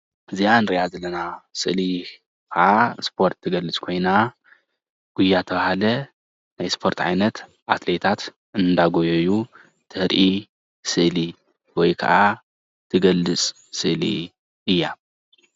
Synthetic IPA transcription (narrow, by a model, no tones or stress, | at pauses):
ɨzianɾiʔazɐlɐnasɨ̰ʔli | kʰɐʔaspʰo̞ɾt̪ʰːɨɡɐlːɨt͡sʼkʰo̞jna | ɡ̥ujːat̪ʰɐβahalɐ | najspʰo̞ɾt̪ʕa̰jnɐt̪ | ʔat̪le̞t̪ʰat̪ | ʔɨnd̪aɡojojːu | t̪ʰɨhɾʔi | sɨʔli | wɔjkʰɐ̰ʔa | t̪ʰɨɡɐlːɨt͡sʼ | sɨʔlḭ | ʔɨjːa